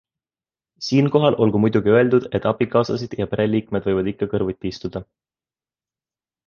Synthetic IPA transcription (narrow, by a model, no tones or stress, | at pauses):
siːnko̞ɦɑlʔo̞lɡ̥umujd̪̥uɡ̥iø̞e̞ld̪ud̪̥e̞t̪ːˑɑb̥ikɑːsɑsid̪̥jɑpeɾe̞liːkme̞d̪̥vɤjvɑd̪̥ikːɑkɤrvut̪ʲːist̪ud̪̥ɑ